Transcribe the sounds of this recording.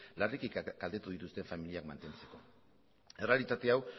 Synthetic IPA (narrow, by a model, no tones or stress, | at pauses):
larikikɡ̥ald̪e̞t̪uð̞it̪ust̪e̞ɱfamiliakma̰nt̪e̞nt͡se̞̥ko̞ | e̞re̞alit̪at̪e̞aw